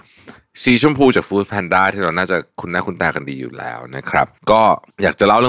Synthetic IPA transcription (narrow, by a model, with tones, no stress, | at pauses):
siː˧˩t͡ɕʰu˥˩əmpʰuː˧t͡ɕaː˨˩k̚fuː˦˥t̪̚pʰɛ˧ndaː˥˩jt̪ʰiː˥˩ɾa˧wnaː˥˩t͡ɕa˨˩kʰu˧nːaː˥˩kʰu˧nt̪aː˧˩ka˧ndiː˧jṵ˨˩lɛ̰ː˦˥wna˦˥kʰɾa̰˦˥p̚kɔː˥˩jaː˨˩k̚t͡ɕa˨˩la˥˩wlɯː˥˩˨